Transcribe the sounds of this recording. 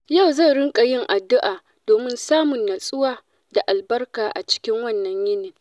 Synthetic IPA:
ja˦˨wza˦˨ɽɪ˦ŋkʼa˨jɪ˦ŋʔa˨dːʊ˦ʔaː˨ | doː˨mɪ˦nsaː˦mʊ˨nːa˨sʼʊ˦waː˨ | da˨ʔa˨lbɐ˦rkaː˨ʔa̰˨t͡ʃɪ̥˦kʲɪ˦ŋwɐ˦˨nːɐ˨ɲjɪ˦neː˨

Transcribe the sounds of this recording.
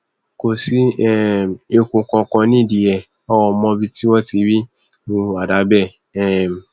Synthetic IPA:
ko˨si˨˦ɛ˦e˧kũ˧kɔ̃˧kɔ̃˧nĩ˦˨di˨ɛ˨ | ɔ˦wɔ˧mɔ̃˦bi˦ti˦wɔ˦ti˧˦ɾi˦ | ũ˧a˨da˨˦bɛ˦˨ | ɛ˦˨m˨

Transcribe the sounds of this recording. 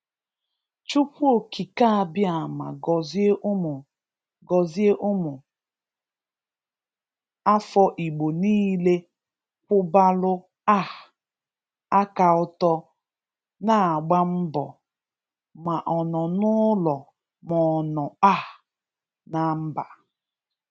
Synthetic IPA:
t͡ʃu˦ko˨kʰi˨ka˦a˨bɪ˦a˨ma̰˨ɡɔ˨ze˦ʔʊ˦mʊ˨ | ɡɔ˨zi˦e˦ʔʊ˦mʊ˨ | a˦fɔ˦ʔi˨ɡ͡bo˨niː˦le˦ | kʷʊ˦ba˦lʊ˦ | a˦˨ | a˦ka˨ʊ˦tɔ˦ | na˨a˨ɡ͡ba˦m̩˦bɔ̰˨ | ma˨ʔɔ˨nɔ˨nʊ˦lɔ˨ | mɔ˨nɔ˨a˦˨ | na˨m̩˦ba˨

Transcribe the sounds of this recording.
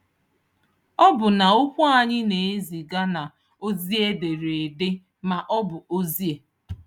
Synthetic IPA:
ɔ˦bʊ˨na˨ʊ˦kʷu˦a˨ɲɪ˦ne˨e˦zi˨ɡa˦na˨ | o˦zi˦e˦de˨ɾe˨e˨de˦ | ma˨ʔɔ˦bʊ˨o˦zi˦e˨

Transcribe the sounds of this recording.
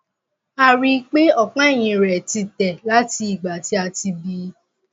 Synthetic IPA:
a˧ɾi˧k͡pe˦ɔ˦˨k͡pã˨˦˨j̃ĩ˧ɾɛ˨ti˧tɛ˨la˦ti˧i˨ɡ͡ba˨ti˦a˧ti˧bi˧

